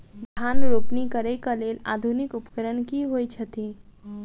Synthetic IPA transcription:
d̪ʱanɾopnikəɾɛkəlela̰d̪ʱunikupəkəɾənkiɦojt͡ʃʰət̪i

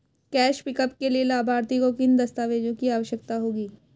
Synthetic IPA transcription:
kɛːʃpɪkəpkelielaːbʱaːɾt̪ikokɪnd̪ɐst̪aːʋeːd͡ʒõkiaːʋəʃjək̚t̪aɦoːɡiː

